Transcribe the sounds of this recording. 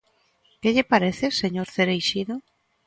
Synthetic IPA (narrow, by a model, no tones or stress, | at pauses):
keʎɪpaɾeθɪseɲoɾθeɾejʃiðo